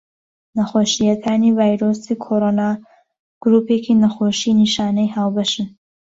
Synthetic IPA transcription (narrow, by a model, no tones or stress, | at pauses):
nɐxoːʃijɐkʰaːnivaːjɾoːsikʰoɾonaː | ɡ̥ɾuːpeːkinɐxoːʃiniʃaːnɐjhaːwbɐʃɨn